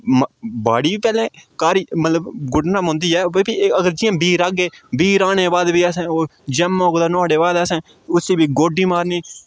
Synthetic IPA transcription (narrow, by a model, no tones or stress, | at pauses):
mbaːɽiːbiːpɛːlẽːkaːɾiːmət̪ləbɡʊɖnãːɦʊ̃ːnd̪iːɛːʋbiːəɡəɾd͡ʒɪːãːbiːɾaːɡeːbiːɾaːneːbaːd̪biːəsẽːoːd͡ʒɛmːõːɡd̪aːnoːɽeːbaːd̪əsɛ̃ː | ʊsiːbiːɡoːɖiːmaːɾniː